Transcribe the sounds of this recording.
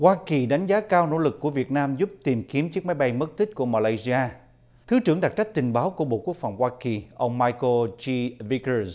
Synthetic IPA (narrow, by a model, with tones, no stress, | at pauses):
hwaː˧ki˨˩ɗa˨˦jŋ̟zaː˨˦kaː˧wno̰˧˥lɨ˨˩kːu˧˩əvi˨˩ət̚naː˧mzu˦˥p̚t̪i˨˩mki˨˦əmt͡ɕɨ˦˥k̚ma˨˦jɓa˧jmə˦˥t̚t̪ʰï˦˥k̟̚ku˧˩əmaː˧laː˧jzi˧ʔaː˧ | t̪ʰɨ˨˦t͡ɕɨ˧˩əŋɗa˨˩t̚t͡ɕa˦˥jk̚t̪ï˨˩ŋ̟ɓaː˨˦wku˧˩əɓo̰˧˨ku˦˥ək̚fa˨˩wŋ͡mhwaː˧ki˨˩ʔə˧wŋ͡mmaː˧jko˧t͡ɕi˧vi˧kə˧z